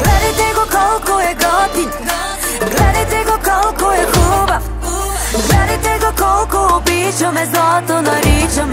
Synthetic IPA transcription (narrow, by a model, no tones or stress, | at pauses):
ɡlɛd̪ɐjt̪ɛɡɔkɔlˠkoɛɡɔt̪i | ɡlɛd̪ɐjt̪ɛɡɔkɔlˠkoɛɡuba | ɡlɛd̪ɐjt̪ɛɡɔkɔlˠkoːbit͡ʃɔmɛzɔt̪onɔɾit͡ʃɐm